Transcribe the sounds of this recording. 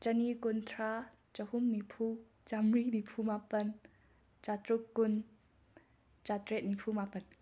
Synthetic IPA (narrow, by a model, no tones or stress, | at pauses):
t͡ʃənikʊnt̪ʰa | t͡ʃəhʊmnipʰu | t͡ʃamrinipʰumapɐn | t͡ʃat̪ɾʊkːʊn | t͡ʃat̪ɾɛt̪̚nipʰumapɐn